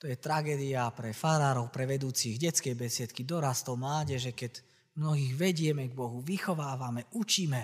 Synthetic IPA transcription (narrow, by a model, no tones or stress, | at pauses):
t̪ɔjɛt̪ɾaɡɛːd̪iapɾɛfaɾaːɾɔʊpɾɛʋɛd̪uːt͡siɣɟɛt͡skɛjbɛsɪɛt̪kid̪ɔɾast̪ɔmlaːɟɛʒɛkɛɟ | mnɔɦiːɣʋɛɟɪɛmɛɡ̚bɔɦuʋixɔʋaːʋamɛʔut͡ʃiːmɛ